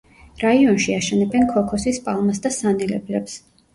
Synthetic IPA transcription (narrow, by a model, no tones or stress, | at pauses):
ɾaiɔnʃiaʃɛnɛbɛnkʰɔkʰɔsispʼalˠmasd̪asanɛlɛblɛps